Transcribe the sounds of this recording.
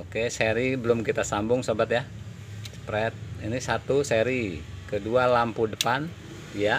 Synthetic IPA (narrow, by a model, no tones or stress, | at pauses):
okeseɾibəlʊmkit̪asambʊŋsobat̪ja | spɾɛt̪̚inisat̪useɾikədualampudəpan | ja